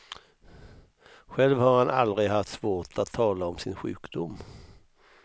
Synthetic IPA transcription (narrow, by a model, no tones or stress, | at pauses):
ɧɛlvhaɾhanʔald̪ɾɪɡɦaft̪svoːʈʰat̪ʰːɑːlaɔmsɪnɧʉ̟̰ːkd̪ʊmː